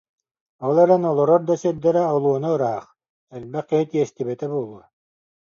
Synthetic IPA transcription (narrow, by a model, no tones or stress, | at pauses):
ɔlˠɛɾɛnɔlˠɔɾɔɾd̪ɔsœd̪ɛɾɛɔlˠuɔnaɯɾaɦaχ | ɛlbɛχkiɦit̪iɛst̪ibɛt̪ɛbuɔlˠuɔ